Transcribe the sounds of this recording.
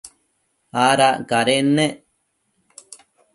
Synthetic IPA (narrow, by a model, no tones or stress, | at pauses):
aɾaʔkaɾenːeʔ